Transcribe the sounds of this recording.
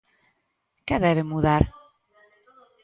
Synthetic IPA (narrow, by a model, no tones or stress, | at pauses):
kɛðɛβɪmuðaɾ